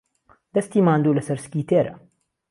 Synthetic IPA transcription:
d̪̥ɐst̪iːmaːnd̪uːlɐsɐɾsɨ̥kʲiːt̪ʰeːɾɐ̰

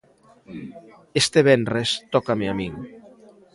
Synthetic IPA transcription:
est̪eβenrest̪ɔkameamiŋ

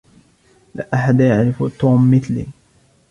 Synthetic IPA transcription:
laʔaħad̪jaʕɾɪfut̪ːuːmːɪθlḭ

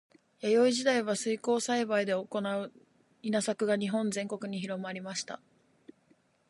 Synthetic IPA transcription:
jajo̞iʑid̪aiβ̞asɨiko̞ːsaibaid̪e̞oko̞naɯ̟ | inasakɯ̟ɡaɲ̟iɦõ̞nzẽ̞ŋko̞kɯ̟ɲ̟içiɾo̞maɾʲimaɕi̥t̪a̰

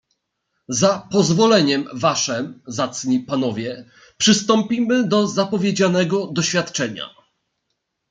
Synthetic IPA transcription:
zapɔzvɔlɛɲɛmvaʂɛmzat̪sɲipanɔvʲjɛ | pʂɘst̪ɔmpʲimɘd̪ɔzapɔvʲjed͡ʑanɛɡɔd̪ɔɕfʲjat̪t͡ʂɛɲa̰

